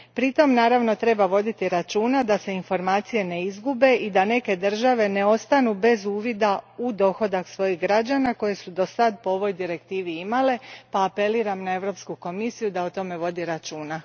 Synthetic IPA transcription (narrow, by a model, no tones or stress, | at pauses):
pɾit̪o̞mnaːɾaʋno̞t̪ɾe̞baʋo̞d̪it̪iɾat͡ʃuːnad̪ase̞info̞ɾmaːt̪sije̞ne̞izɡube̞ʔid̪ane̞ke̞d̪r̩ʒaʋe̞ne̞o̞st̪anube̞zuːʋid̪aud̪o̞xo̞d̪aksʋo̞jiɦɡɾad͡ʒanako̞je̞sud̪o̞sad̪po̞o̞ʋo̞jd̪iɾe̞kt̪iːʋiimale̞paːpe̞liːɾamnae̞ʋɾo̞pskuko̞misijud̪aot̪o̞me̞ʋo̞d̪iɾat͡ʃuːna